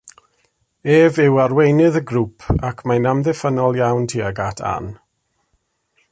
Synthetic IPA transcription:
eːvɪwarwejnɨðəɡrupʰakʰmajnamðɛfənɔlˠjawntʰiːaɡatʰa̰n

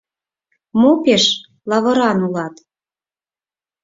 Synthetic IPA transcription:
mopeʃ | lɑβɤ̆ɾɑnulɑt̪

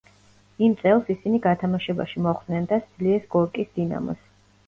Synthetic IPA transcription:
imt̪sʼɛlˠsisiniɡat̪ʰamaʃɛba̰ʃimɔχd̪nɛnd̪ad̪z̥liɛsɡɔɾkʼisd̪ina̰mɔ̰s

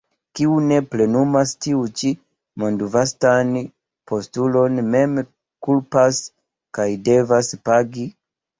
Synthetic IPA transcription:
kiune̞ple̞numastiut͡ʃi | mondvastan | pʰo̞stulo̞nme̞m | kulpas | kajde̞vaspaɡi

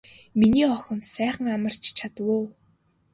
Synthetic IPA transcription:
miniːɔxɞ̆nsæːχə̆ŋamə̆r̥t͡ɕʰt͡ɕʰat̪əwʊː

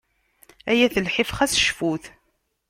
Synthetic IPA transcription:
æjæθəlħɪfχæsʃfuθ

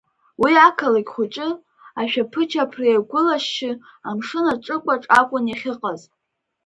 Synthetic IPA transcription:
wiakʰalaɡʲχʷʊt͡ʃʼɪ | aʃᶣapʰɨt͡ʃʰapʰrieɡʷʊlaʃːɪamʂɨnaʈ͡ʂʼɨkʷʼaʈ͡ʂʼakʷʼʊniχʲɪqʼaz

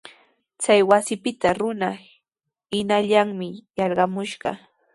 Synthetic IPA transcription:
t͡sajwasɪpɪt̪aɾʊna | ɪnaʎaŋmɪjɑɾɢɑmʊʃɢɑ̰

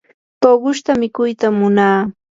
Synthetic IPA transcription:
t̪oɢʊʃt̪amɪkʊjt̪amːʊnaː

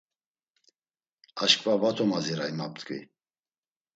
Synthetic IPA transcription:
aʃkʼvavat̪ʰɔmaziɾaimap̚t̪kʼḭ

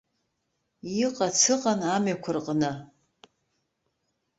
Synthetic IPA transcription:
iqʼat͡sʰɨqʼanamɥakʷʰarqʼnɨ

